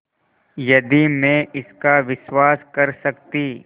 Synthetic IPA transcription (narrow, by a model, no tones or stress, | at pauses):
jɐd̪imẽɪskaʋɪʃwaːskɐɾsɐkt̪iː